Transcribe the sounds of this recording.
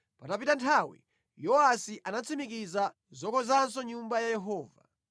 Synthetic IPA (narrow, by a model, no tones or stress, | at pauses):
patapitantʰawḭ | jɔasiʔanat͡sʰimik̬iza | zɔkɔzansɔɲumbajajɛɦɔːva̰